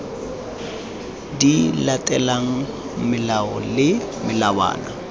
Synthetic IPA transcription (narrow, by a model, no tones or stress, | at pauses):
dilatʼɛlaŋ̩ | mɪlaɔlɪmɪlawa̰ːna